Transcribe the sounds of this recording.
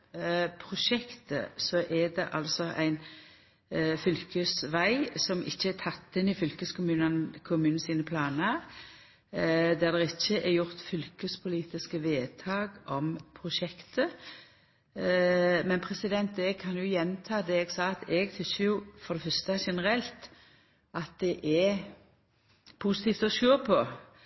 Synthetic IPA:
pʰɾʊʃɛkt̪ə̰sɔʔɛd̪ɛʔɑ̰lsɔʔæ̰ɪn | fʏlkəsʋæɪsɔmʔɪçːəɛɾt̪ʰɑt̪ːɪnɪfʏlkəskʊmʉːnnkʰʊmʉːnn̩siːnəpʰlɑːnə | d̪æʁd̪ɛʁɪçːəʔɛɾjʊʁt̪fʏlkəspʰʊliːt̪ɪskəʋeːt̪ʰɑːɡʔɔmpʰʁʊʃɛkt̪ə | mɛnpʰɾɛsɪd̪ɛnt̪ɛɡkʰɑnjʊjɛnːt̪ʰɑːd̪ɛɛɡsɑːt̪ɛɡt̪ʰʏsːəjʊfɔɾd̪ɛfœɾst̪əʃɛnəɾɛlt̪ | ɑt̪̚d̪ɛʔɛ | pʰusɪt̪ʰiːft̪ɔʃøːpʰɔ

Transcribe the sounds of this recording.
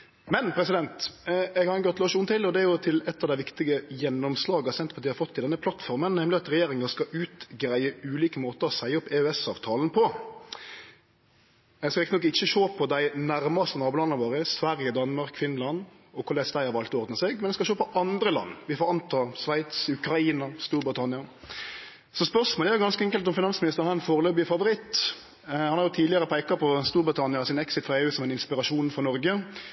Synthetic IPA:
mɛnpʰɾɛsɪd̪ɛnt̪ɛɡhɑɾɛnɡɔt̪loːʃunt̪ɪlːɔd̪ɛæɾjʊt̪ʰɪlɛt̪ːɑʋd̪æɪʋɪkt̪ɪɡəjɛnːɔmslɑːɡəɑsɛnt̪pʰɑt̪ʰiːhɑɾfɔt̪ːɪld̪ɛnːəpʰlɑt̪fɔɾmənnɛmlɪɑt̪ɾɛjeːɾɪŋəskɑʔʉːt̪ɡɾæɪəʉːliːkəmoːt̪əɾɔsæɪɔpːɛœɛsɑ̰ːʋt̪ʰɑːlnpʰɔ | ɛskɑɾɪkt̪nɔkɪçːəʃoːpʰɔd̪æɪnæɾmɑst̪ənɑːbʉːlɑnɑbɑːɾəsʋæɾjəd̪ɑnːmɑɾkfɪnlɑnd̪ | ɔkʰʊd̪ɛsd̪æɪhɑɾʋɑlt̪ɔɔɾd̪nəseːɡmɛnɛskɑʃoːpɔʔɑnd̪ɾəlɑ̰nːʋɪfʁɔɑnt̪ɑsʋæɪt̪sʉkɾɑiːnɑst̪uːɾbɾɪt̪ʰɑnɪɑ | sɔspœʁʂmoːlæɾjʊɡɑnskəɛŋkəlt̪ɔmfɪnɑnsmɪnɪst̪əɾnænfoːɾəløːbɪfɑʋʊɾɪt̪ː | hɑnhɑɾjʊt̪ʰiːd̪lɪəɾəpʰæɪkɑpʰɔst̪uːɾbɾət̪ʰɑnɪɑsɪnɛksɪt̪fɔɾeːʉːsɔmæɪnɪnspɪɾɑʂuːnfɔnɔɾɡə

